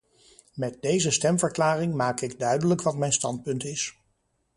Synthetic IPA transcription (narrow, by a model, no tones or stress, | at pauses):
mɛt̚dejzəstɛmvəɹklaːrɪŋmaːkɪɡdœɥdələkʋɑtmɛjnstɑnt̚pɵntɪs